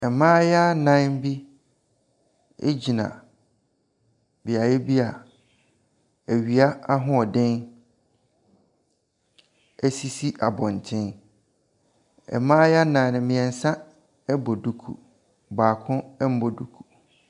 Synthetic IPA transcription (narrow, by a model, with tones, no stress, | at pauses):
ɛ˨mãː˦ja˦nã˦m˦bi˦ | ḛ˦d͡ʑi˨nã̰˨ | bi˨a˨jɛ˦bi˦a˨ | æ˨ɥi˨a˦a˦ɦʊ̃˦ɔ˨dɪ̃˦n | ɛ˦si˦si˦ʔa˨bɔ̃˨n˨tʰɪ̃˦n | ɛ̰˨mãː˦ja˦nã˨nɪ̃˨mɪ̃˨ɛ̃˨n̩˨sã˦ | ɛ˦bɔ˨du˦kʰṵ˨ | baː˨kʰʊ̃˦ɛ˦m̩˦bɔ˨du˦kʰu˨